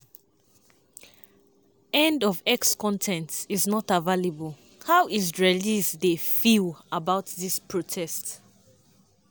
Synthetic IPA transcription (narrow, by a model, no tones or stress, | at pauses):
ɛ̃ndɔvɛkskʰɔ̃ntʰɛ̃ntsiznɔtəvaləbəl | haʊʔizɹelizðefilˠəbaʊtðispʰɹ̥otʰɛst